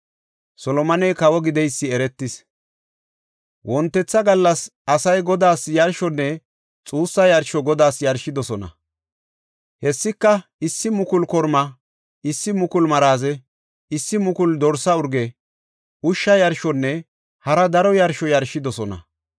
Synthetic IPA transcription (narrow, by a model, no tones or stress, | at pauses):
sɔlɔmɐnɛjkɐwɔɡɪd̪ɛjsːɪɛɾɛt̪ːɪs | wʔɔnt̪ːɛt͡sːɐɡɐlːɐsɐsɐjɡɔd̪aːsjɐɾʃɔnːɛ | t͡sʼuːsːɐjɐɾʃɔɡɔd̪aːsjɐɾʃɪd̪ɔsɔnɐ̰ | hɛsːɪkːɐɪsːɪmʊkʊlkɔɾmɐ | ɪsːɪmʊkʊlmɐɾaːzɛ | ɪsːɪmʊkʊld̪ɔɾsɐʊɾɡɛ | ʔʊʃːɐjɐɾʃɔnːɛ | hɐɾɐd̪ɐɾɔjɐɾʃɔjɐɾʃɪd̪ɔsɔnɐ̰